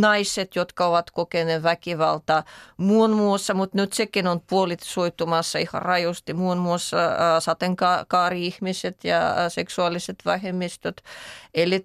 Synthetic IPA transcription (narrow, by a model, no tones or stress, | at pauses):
nɑisːet̪jot̪kɑoʋɑt̪kokeneʋækiʋɑlt̪ɑːmuonmuosːɑmut̪nyt̪sekinonpuolit̪soit̪ːumɑsːɑihɑ̰rɑjost̪imuonmuosːɑsɑt̪eŋkɑkɑːriihmiset̪jɑ̰seksuɑliset̪ʋæhemːist̪ot̪elːi